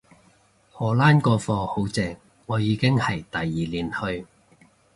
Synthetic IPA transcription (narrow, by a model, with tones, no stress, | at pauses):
hɔː˨˩laː˥nkɔː˧fɔː˧ho˨˥wt͡sɛː˨˧ŋ | ŋɔː˨˧jiː˨˧kɪ˥ŋhɐ˨jt̪ɐ˨jːiː˨liː˨˥nhɵ˧ɥ